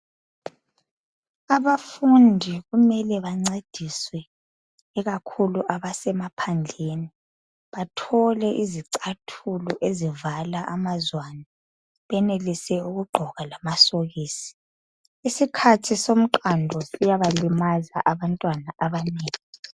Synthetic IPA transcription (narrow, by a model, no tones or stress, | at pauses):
aβafundʱiɣumɛlɛβaŋ͡ǀed̥ʱiswɛː | ɣakʰuluʔaβasɛmapʰand͡ɮʱeːni | βatʰɔlɛʔiziǀatʰulɔʔezivalaʔamazwana | βɛnelisɛuɣuɡ͡ǃʱɔɣalamasoɣiːsi̥ | isikʰatʰisom̩ǃandʱɔsijaβalimaza̰ʔaβantʼwanaʔaβaneːŋii